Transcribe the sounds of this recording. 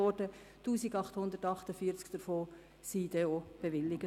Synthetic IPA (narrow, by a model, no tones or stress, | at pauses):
ɔɾdə | tuːsiɡɑχthʊnd̪əɾtɑχtəfiːəɾt͡skd̥əɾfoː | siːd̪ɛob̥eʋɪlːiɡə